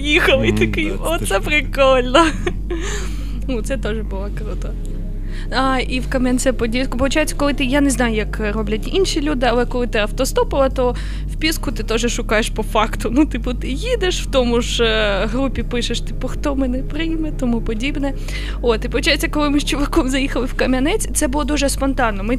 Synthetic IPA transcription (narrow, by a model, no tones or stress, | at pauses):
jixɐlˠɪit̪ɐkɪ | ɔsɛpɾɪkɔlʲnɔ | nut̪sɛt̪ɔʒɛbʊlˠɐkɾut̪ɐ | aiwkɐmɛnʲtsɛpɔdʲikʊpɔʋʊt͡ʃajɪt͡sʲːɐ̥kɔlˠɪt̪ɪjaneznɑjʊjɐk | ɾɔblʲɐtʲinʃilʲud̪ɪɐlˠɛkɔlˠɪt̪ɪɐwt̪ɔst̪ɔpɔlˠɐt̪ɔ | wpʲiskʊt̪ɪt̪ɔʒɛʃʊkɑjeʃpɔfɑkt̪ʊnut̪ɪpʊt̪ɪjid̪eʃwt̪ɔmʊʒɦɾupʲipɪʃeʃt̪ɪpɔxt̪ɔmɪnɛpɾɪjmɛt̪ɔmupɔdʲibnɛ | ot̪ɪpɔʋʊt͡ʃajɪt͡sʲːɐkɔlˠɪmɪʃt͡ʃʊʋɐkɔmzɐjixɐlˠɪwkɐmʲɐnɛt͡sʲt̪sɛbʊlˠɔd̪uʒɛspɔnt̪ɑnːɔmɪ